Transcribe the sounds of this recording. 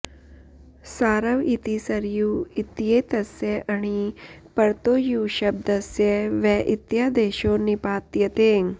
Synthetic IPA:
saːɾɐʋit̪isɐɾjuit̪jeːt̪ɐsjeʔɐɽ̃ipɐɾt̪oːjuːʃɐb̚d̪ɐsjeʋɛʔit̪jaːd̪eːʃoːnipaːt̪jɐt̪eːŋ

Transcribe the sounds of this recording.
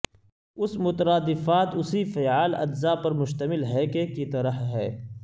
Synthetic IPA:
ʊsmʊt̪ɾaːd̪ɪfaːt̪ʊsifɛːaːlɐ̰d͡ʒ̪zapɐɾmʊʃt̪əmɪlɦɛkekit̪ɐɾəhɦɛ̰ː

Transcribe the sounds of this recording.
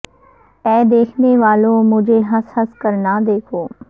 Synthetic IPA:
ɛːd̪eːkʰneʋaːlõmʊd͡ʒʱeɦɐshɐskɐɾnad̪eːkʰoː

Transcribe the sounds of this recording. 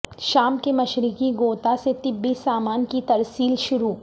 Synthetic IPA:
ʃaːmkemɐʃɾɪkiɡoːt̪aset̪ɪbːisaːmaːnkit̪ɐɾsiːlʃʊɾuː

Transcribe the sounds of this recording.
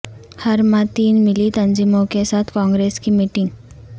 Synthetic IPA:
hɐɾmãt̪iːnmɪlit̪ɐnziːmõkesaːt̪ʰkɔ̃ːŋɡɾeːskimiːʈɪ̃ŋɡ

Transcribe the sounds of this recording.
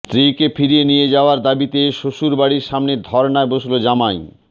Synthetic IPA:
st̪ɾikefʰiɾienijed͡ʑaoaɾd̪abit̪eʃoʃuɾbaɽiɾʃamned̪ʱɔɾnaeboʃlod͡ʑamaj

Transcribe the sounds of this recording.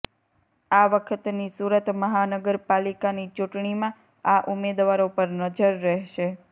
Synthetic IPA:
aʋəkʰət̪nisuɾət̪məɦanəɡəɾpalikanit͡ʃuʈɳimã | aʔumed̪ʋaɾopəɾnəd͡ʒəɾːɛɦʃe

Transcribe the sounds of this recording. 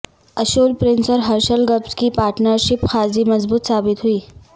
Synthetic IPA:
əɕolpɾinsəɾɦəɾɕəlɡəbskiːpaɾʈnəɾɕipxad͡ziːməzbuːt̪sabit̪ɦuiː

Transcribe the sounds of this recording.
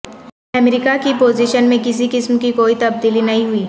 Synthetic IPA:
ɛmɾɪkakipoːziʃənmẽkɪsikɪsmkikoːit̪ɐb̚d̪iːlinɐɦĩɦʊiː

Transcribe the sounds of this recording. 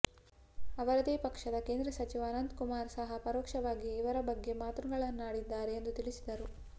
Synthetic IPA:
ɐʋɐɾɐd̪eːpɐkʂɐd̪ɐkeːnd̪ɾɐsɐt͡ʃiʋɐːnɐnd̪kumaːɾsɐɦɐpɐɾoːkʂɐʋaːɡiiʋɐɾɐbɐɡːe̞maːt̪ɾuɡɐɭɐnːaːɽid̪ːaːɾeːnd̪ut̪iɭisid̪ɐɾu

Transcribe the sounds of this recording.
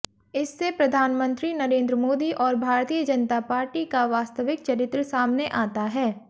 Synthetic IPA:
ɪsːepɾɐd̪ʱaːnmə̃nt̪ɾinɐɾẽːnd̪ɾəmoːd̪iʔɔːɾbʱaːɾt̪ijəd͡ʒɐnt̪apaːɾʈikaʋaːst̪əʋɪk̚t͡ʃɐɾɪt̪ɾəsaːmneʔaːt̪aɦɛː

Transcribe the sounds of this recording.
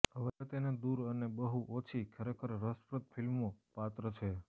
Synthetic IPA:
ɦəʋet̪ened̪uɾənebəɦuʔot͡ʃʰikʰəɾekʰəɾːəspɾət̪̚fʰilmopat̪ɾət͡ʃʰe

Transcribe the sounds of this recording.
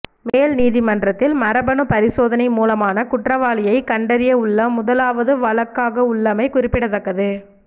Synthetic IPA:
meːlniːðɪmɐndrɐt̪ːɪlmɐɾɐbɐɳɯpɐɾɪsoːðɐnɐɪmuːlɐmaːnɐkʊʈrɐʋaːɭɪjɐɪkɐɳɖɐɾɪjɐʊɭːɐmʊðɐlaːʋɐðɯʋɐɭɐkːaːɣɐʊɭːɐmɐɪkʊrɪpːɪɽɐt̪ːɐkːɐðɯ

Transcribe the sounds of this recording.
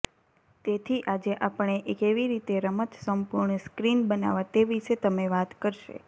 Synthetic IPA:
t̪et̪ʰiʔad͡ʒeʔapəɳeʔkeʋiɾit̪eɾəmət̪səmpuɾɳəskɾinbəna̰ʋat̪eʋiʃet̪əmeʋat̪kəɾʃḛ

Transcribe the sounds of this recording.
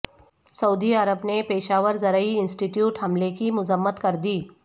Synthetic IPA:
sɐuːd̪iɐɾəbnepeːʃaːʋəɾzɐɾəiɪ̃nsʈiʈjuːʈhɦɐmlekimʊzəmːət̪kɐɾd̪iː

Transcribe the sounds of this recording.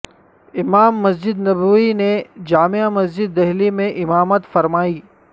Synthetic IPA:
ɪmaːmːɐsd͡ʒɪd̪nɐbʋined͡ʒaːmeamɐsd͡ʒɪd̪ːɛɦlimẽʔɪmaːmət̪fɐɾmaːiː

